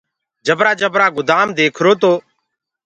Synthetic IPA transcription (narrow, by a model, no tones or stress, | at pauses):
d͡ʒəbɾaːd͡ʒəbɾaːɡʊd̪aːmd̪eːkʰɾoːt̪oː